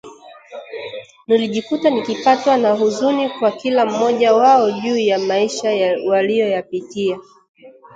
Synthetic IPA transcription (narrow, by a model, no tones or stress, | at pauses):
niliʄikutanikipatwanaɦuzunikwakilam̩ːɔʄawaɔʄuːjamaiʃawalijɔjapitia